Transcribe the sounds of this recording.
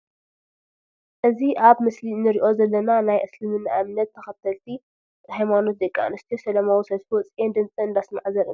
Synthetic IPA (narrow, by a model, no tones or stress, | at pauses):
ʔɨziʔaβmɨslinɨɾiʔo̞zɐlːɐnanajʔɐslɨmɨnːaʔamnɐt̪ʰːɐxɐt̪ʰɐlt̪ʰi | hajmano̞t̪̚d̪ɐkʼːa̰nɨst̪ʰisɐlɐmawisɐswɔt͡sʼjend̪ɨnt͡sʼɨɨnd̪asma̰ʕzɐɾɨn